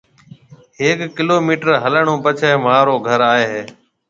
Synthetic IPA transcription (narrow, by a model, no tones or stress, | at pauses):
ɦeːkkːɪloːmiːʈəɾɦələɳõːpət͡ʃʰeːmaːɾoːɡʱəɾaːɦeːɦeː